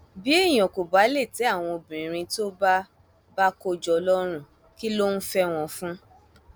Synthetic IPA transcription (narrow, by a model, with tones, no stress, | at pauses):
bi˨˦e˦˨j̃ɔ̃˨ko˨ba˨˦le˦˨ti˨˦a˦˨w̃ɔ̃˧o˧bĩ˨ɾ̃ĩ˧to˦ba˦ | ba˦ko˧d͡ʒɔ˧lɔ˦ɾ̃ũ˦ | ki˦lo˦n̩˦fɛ˦w̃ɔ̃˧fũ˦